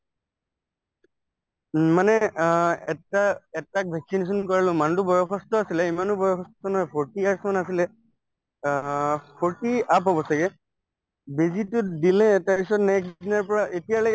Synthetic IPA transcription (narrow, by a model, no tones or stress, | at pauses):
manɛɛtaɛtak̚bʱɛksines̬ɔnkɔɹalʊ̃mantʊbɔjɔkɔstɔasilɛimanʊbɔjɔxʰɔsttɔnɔjpʰɔɹtiaɹsmanasilɛ | pʰɔɹtiapɦɔbɔsaɡɛ | bezitʊtdilɛtaɹpisɔtnɛkdinaɹpɔɹaʔetijalɔjɡ